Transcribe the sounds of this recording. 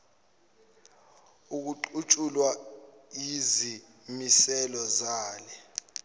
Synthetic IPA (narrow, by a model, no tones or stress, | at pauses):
uk̬uǃut͡ʃʼulwa | izi | misɛlɔzaːlɛ